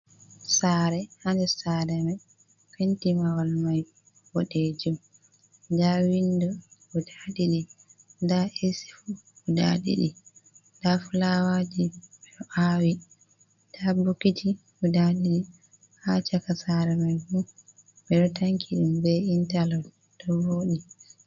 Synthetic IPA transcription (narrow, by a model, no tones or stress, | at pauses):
saːɾɛhandɛsaːɾɛmaj | fentimawalmaj | wɔɗed͡ʒum | dawindɔudaɗiɗidaʔesi̥fuuda̰ɗḭɗi | dafulawad͡ʒiɛɗɔʔawi | d̥abukitʰi | udaɗiɗi | hat͡ʃakasaɾɛmajbu | bɛɗɔtaŋkʰiɗumbɛintalɔd | dɔwoːɗi